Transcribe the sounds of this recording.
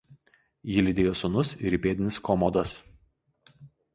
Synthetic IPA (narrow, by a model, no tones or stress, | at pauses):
jɪlʲɪd̪ʲeːjoːsʊnʊsɪ̰ɾiˑpʲeːd̪ʲɪnʲɪskɔmɔd̪ɐs